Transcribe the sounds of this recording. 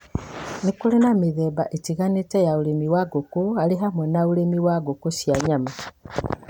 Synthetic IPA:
nikulenameðɛːbaʔetiɣanetɛjaoɾemiwaɡokoaleɦamwɛnauɾemiwaɡokosjaɲama

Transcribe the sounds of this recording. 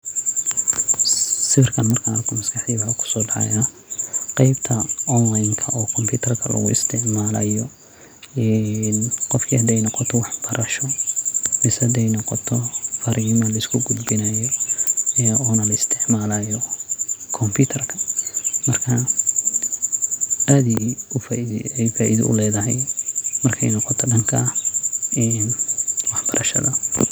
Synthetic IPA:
sɪfɪrkʰɐnmɐrkʰaɐrkʰɔmɐskɑħd̪iwakʰʊ̥sɔːɖɑʕ̰jaː | qɑjbt̪ʰɐɔnlajŋkʰɐʔɔːkʰɔmpʰuːt̪ʰɐrkʰɐlɐ̰ɣʊ̰ɪ̰st̪ʰɪʕmaːlɐ̰jɔ | ɛnqɔfkʰihɐd̪ɛjnɔqɔt̪ʰɔwɑħbɐɾʔɐʃɔmɪsɐd̪ɛjnɔqɔt̪ʰɔfɐɾɪmɐlɐɪskʰʊɡʊd̪bɪnɐjɔ | ɛɔːnɐlɐɪst̪ʰɪʕmaːlajɔ | kʰɔmpʰut̪ʰɐrkʰɐmɐrkʰɐ | ʔaːðiʊfɛjfaːʔiðɪ̰ʊ̰lɛːðɐɦɛjmɐrkʰɛ̰jnɔqɔt̪ʰɔɖɐŋkʰɐ | ɛnwɑħb̥ɐɾʔɐʃɐ̰ðɐ

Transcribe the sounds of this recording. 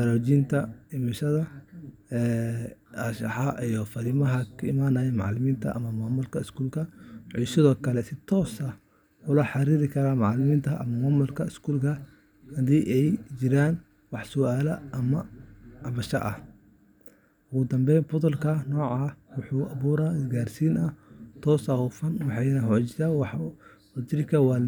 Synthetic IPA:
ɐlɔːt͡ʃint̪ʰɐɪmɐʃɐðɐ | ɛːaʃɑ̰ħɑʔijɔfɐɾɪmɐɦɐkʰɐɪ̰maːnɐːjɛmɑ̰ʕlɪmiːnt̪ʰɐ̰ʔɐ̰mɐmaːmʊlkʰɐɪskuːlkʰɐʕʊːsɪðɔːkʰɐlɛsɪt̪ʰɔːsɐ | ʊlɐħɑɾiːɾɪkʰɐɾaːmɑʕlɪmiːnt̪ʰɐʔɐ̰mɐmaːmʊlkʰɐɪskʰuːlkʰɐ | hɐðiːʔɛjd͡ʒɪɾaːn | wɑħsʊʔaːlɐʔɐmɐʕɑβɐʃɐ̰ʔɐ̰ | ʔʊɣʊd̪ɐmbɛjfʊt̪ʊlkʰɐnɔːʕɑːwʊħuːʔɐβuːɾaɪɡaːrsiːnɐht̪ʰɔːsɐhufɐnwɑħɑjnɐhɔt͡ʃɪsaːwɑħ | wɐd̪ɪɾɪkʰɐwɑː

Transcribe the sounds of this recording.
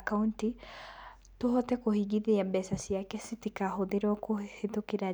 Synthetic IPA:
kaunti | toɦɔtɛkohiɡiðeabɛsasjakɛsitikaɦoðeɾwɔkohetokeɾa

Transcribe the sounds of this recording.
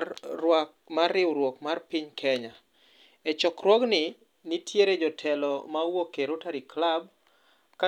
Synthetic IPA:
wa | marːɪwɾwokmarpiɲkʰɛɲa | ɛt͡ʃɔkɾwɔɡnɪ | nitʰjeɾed͡ʒɔtʰɛlɔmawokeɾotaɾiklab̚ | ka

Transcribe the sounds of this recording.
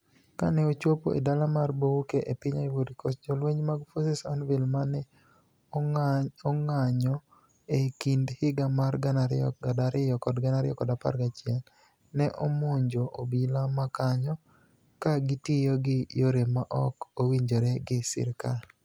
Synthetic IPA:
ka̰nɛot͡ʃwopo̰ʔḛdalamarbowukeʔepɪɲaiwodikʰosd͡ʒɔlweɲmaɡfosɪsɔnvɪlmanɛ | ŋaɲɔ | ekindhɪɡamaɾɡanaɾɪɔadaɾɪjɔkɔdɡanaɾɪjɔkɔdapa̰rɡat͡ʃjɛnː | ɛʔomoɲd͡ʒoʔobilamakaɲɔ | kaɡɪtɪjoɡɪjoɾemaʔɔkowiɲd͡ʒoɾɛɡɪsɪ̰ɾkal

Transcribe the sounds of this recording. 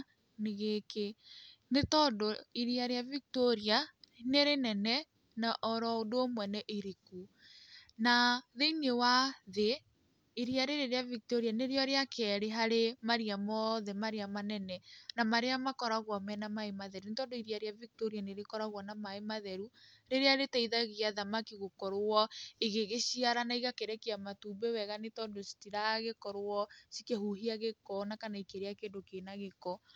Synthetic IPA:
neɣeke | netɔdoiɾiaɾeaviktoɾianeɾenɛnɛ | naʔɔɾɔodomwɛnɛʔiɾiku | naðeinewaðe | iɾiaɾeɾeɾeavik̚toɾianeɾeɔɾeakɛɾeɦaɾemaɾiamɔðɛmaɾeamanɛnɛnamaɾeamakɔɾaɣwamɛnamaemaðɛɾunetɔndoiɾiaɾeavik̚toɾianeɾekɔɾaɣwanamaemaðɛɾu | ɾeɾeaɾetaiðaɣiaðamakiɣokɔɾoɔeɣeɣeɕiaɾanaiɣakeɾɛkiamatuːbɛwɛɣanetɔːndosi̥tiɾaɣekɔɾoɔsi̥kehuɦiaɣekɔnakanaikeɾeakeːndokeːnaɣekɔ

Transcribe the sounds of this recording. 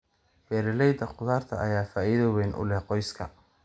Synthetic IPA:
bɛːɾɪlɛjd̪ɐqʊðaːrt̪ʰɐʔɐjaːfaːʔiðɔwɛnʔʊ̰lɛqɔjskʰɐ̰

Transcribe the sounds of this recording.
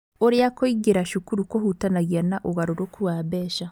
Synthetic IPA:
oɾiakoiɡiɾaʃukuɾukohutanaɣjanaʔoɣaɾoɾokuwaːβeʃa

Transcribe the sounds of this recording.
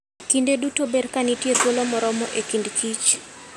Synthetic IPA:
kindedutoberkanitjet̪wolomɔɾɔmɔʔekindkʰit͡ʃ

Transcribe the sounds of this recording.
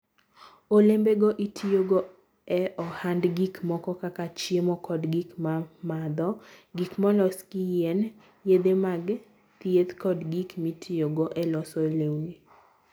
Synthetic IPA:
olembeɡɔʔitʰijoɡɔ | ɛɔhandɡikmɔkɔkakat͡ʃemɔkɔdɡikmamad̪ɔɡikmɔlɔskijen | jed̪emaɡ | t̪jet̪kɔdɡikmitʰijoɡɔʔɛlɔsɔelewni

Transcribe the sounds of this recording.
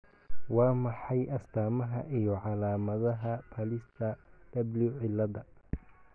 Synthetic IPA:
wɑːmɑħɑjʔɐst̪ʰaːmɐɦɐ̰ʔijɔʕɑlaːmɐðɐɦɐpʰɐlɪst̪ʰɐd̪̥ɐbliʕɪlːɐðɐ

